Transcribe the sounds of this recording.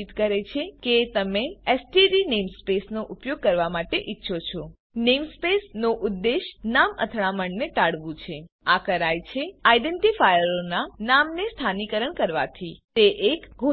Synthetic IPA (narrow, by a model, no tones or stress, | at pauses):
it̪kəɾet͡ʃʰeket̪əmeɛsʈiɾinemspesnoʔʊpjoɡ̚kəɾʋamaʈeʔitːʃʰot͡ʃʰo | nemspesnoʔʊd̪ːeʃnamə̰t̪ʰɭaməɳnet̪aɽʋũt͡ʃʰe | akəɾajt͡ʃʰeajɖeɳʈifajəɾonanamnest̪ʰanikəɾəɳkəɾʋa̰t̪ʰit̪eʔekɡʱo